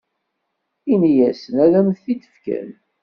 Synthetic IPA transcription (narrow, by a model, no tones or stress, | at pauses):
inijæsənæðæmθθid̪ə̥fkæ̰n